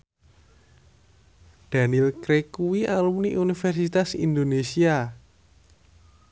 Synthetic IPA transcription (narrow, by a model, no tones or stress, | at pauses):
d̪̥a̤nilkɾekuwialumniʔunifɛrsit̪asḭnd̪onesia